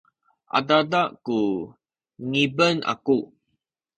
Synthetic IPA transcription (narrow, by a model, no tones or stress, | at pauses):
ʔa̰dadaʔku | ŋibəna̰ku